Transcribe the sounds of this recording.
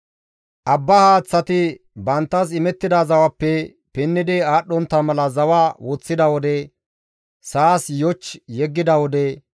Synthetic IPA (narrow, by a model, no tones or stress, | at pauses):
ʔɐbːɐhaːt͡sːɐt̪ɪ | bɐnt̪ːɐs̬ɪmɛt̪ːɪd̪azɐwɐpːɛ | pɛnːɪd̪ɪaːɗɔnt̪ːɐmɐlɐzɐwaːwɔt͡sːɪd̪ɐwɔd̪ɛ | saːsjɔt͡ʃːjɛɡːɪd̪ɐwɔd̪ɛ